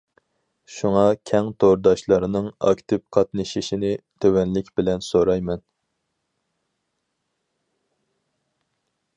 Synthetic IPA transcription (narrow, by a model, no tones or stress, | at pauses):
ʃuŋɑkʲʰɛŋt̪ʰoɾd̪ɑʃlˠɑɾɨnɨŋɑ̰kʲt̪ʰɪp̚qʰɑt̪nɨʃiʃinɪt̪ʰøwɛnlɪkʲbɪlɛnsoɾɑjmɛn